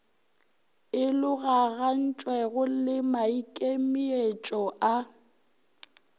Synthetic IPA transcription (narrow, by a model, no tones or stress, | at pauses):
ɪlʊɣaɣan̩t͡ʃʼwɛɣʊlɪmaikʼemiet͡ʃʼɔʔa